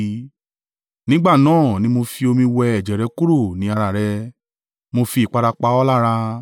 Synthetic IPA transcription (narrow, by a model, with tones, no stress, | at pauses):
nĩ˦ɡ͡ba˦˨nãː˦˨nĩ˧˦mo˧fi˧o˧mĩ˧wɛ˧ɛ˨d͡ʒɛ˨ɾɛ˨˧ku˦ɾo˦˨nĩ˨˦a˧ɾa˨ɾɛ˧ | mo˧fi˧i˨k͡pa˧ɾa˧k͡pa˧˦ɔ˦la˦˨ɾa˧